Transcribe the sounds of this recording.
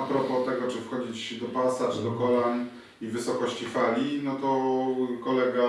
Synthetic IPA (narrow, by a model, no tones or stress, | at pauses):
apɾɔpɔt̪ɛɡɔt͡ʂɘfxɔd͡ʑit͡ɕd̪ɔpasat͡ʂɨd̪ɔkɔlan | ivɘsɔkɔɕt͡ɕifalʲinɔt̪ɔkɔlɛɡa